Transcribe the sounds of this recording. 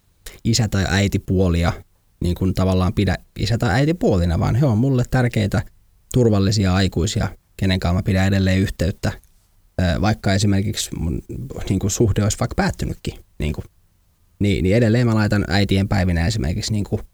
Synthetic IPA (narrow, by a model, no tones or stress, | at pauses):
isæt̪ɑiʔæit̪ipuoliɑ | niːŋkunt̪ɑʋɑlːɑːmpidæ̰ḭsæt̪ɑʔæit̪ipuolinɑʋɑ̰ːnheommulːet̪t̪ːærkeit̪æ | t̪urʋɑlːisiɑɑikuisiɑ̰keneŋkɑumːɑpidæedelːeːyht̪eyt̪ːæː | ʋɑikːɑesimerkiksmunniːŋkusuhdeoisʋɑikpæːt̪ːynykːinḭːŋku | niniedelːeːmælɑit̪ɑnʔæ̰it̪iempæiʋinæesimʔḛrkiksniːŋku